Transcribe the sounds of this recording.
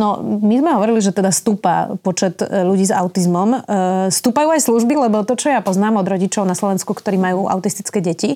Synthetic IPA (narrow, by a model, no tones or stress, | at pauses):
nɔmizmɛɦɔʋɔɾiliʒɛt̪ɛd̪ast̪uːpa̰pɔt͡ʃɛt̪ʎuɟiːzaʊt̪izmɔmst̪uːpajuːajsluʒbilɛbɔt̪ɔt͡ʃɔjapɔznaːmɔd̪ɾɔɟit͡ʃɔʊnaslɔʋɛnskukt̪ɔɾiːmajuːʔa̰ʊt̪ist̪i̥t͡skɛːɟɛci